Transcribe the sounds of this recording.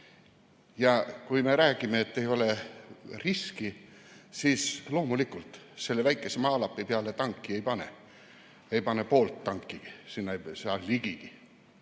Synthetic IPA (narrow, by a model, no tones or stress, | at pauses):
jɑkujme̞ɾæːkime̞et̪ːe̞jo̞le̞riskisiːslo̞ːmulikːˑult̪ | se̞lːevæjkːˑe̞semɑːlɑpːipeɑlet̪ɑŋkːie̞jpɑnḛ | ejpɑne̞po̞ːlt̪ːɑŋkˑːiɡ̥isinːɑsɑliɡ̥iɡ̥i